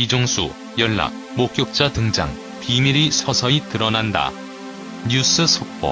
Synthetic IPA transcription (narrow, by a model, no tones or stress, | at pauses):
pid͡ʑoŋsʰṵ | jʌɭːa̰k̚ | mok̚k͈jok̚t͡ɕ͈atɯŋd͡ʑa̰ŋ | pimiɾisʰʌsʰʌitɯɾʌnanda̰ | ɲus͈ʰɯsʰok̚p͈ʌ̰